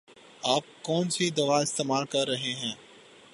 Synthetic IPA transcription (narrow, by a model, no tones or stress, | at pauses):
aːp̚kɔːnsid̪ɐʋaɪst̪eːmaːlkɐɾːɐɦeɦɛ̃ː